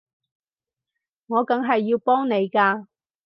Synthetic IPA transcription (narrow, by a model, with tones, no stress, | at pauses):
ŋɔː˨˧kɐ˨˧ŋɦɐ˨jːiː˧wpɔː˥ŋne˨˧jkaː˧